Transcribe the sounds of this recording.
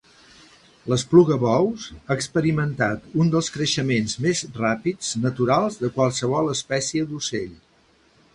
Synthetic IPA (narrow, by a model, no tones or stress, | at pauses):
ləspluɣəβɔwsaəkspəɾimənt̪at̪und̪əlˠskɾəʃəmenzmezrapid͡znət̪uɾalˠzðəkwalˠsəβ̞ɔlˠəspɛsiəd̪useʎ